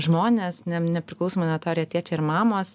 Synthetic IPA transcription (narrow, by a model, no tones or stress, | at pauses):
ʒmoːnʲeːsnʲɛnʲɛpʲɾʲɪklˠɐʊsoːmɐnʲɐt̪oːɾʲjɛɐt̪ʲiɛt͡ʃʲɛɪɾmɑːmoːs